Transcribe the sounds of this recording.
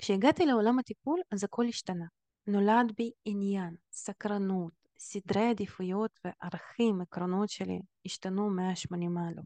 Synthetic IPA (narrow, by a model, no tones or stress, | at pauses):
kʃeiɡat̪ileolamat̪ipulazako̞liʃtana | no̞lad̪biinjansakɾanut̪ | sid̪ɾejad̪ifujot̪veʔaʁaχimekɾono̞tʃelḭiʃtanumeaʃmanimalo